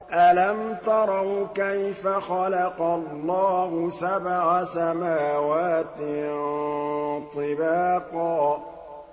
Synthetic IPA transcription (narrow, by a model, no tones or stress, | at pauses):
ʔalamt̪ɑɾˤɑwkajfaxɑlaqɑlˤːɑːhʊsabʕasamaːwaːt̪ɪ | t̪ˤɨbaːqɑː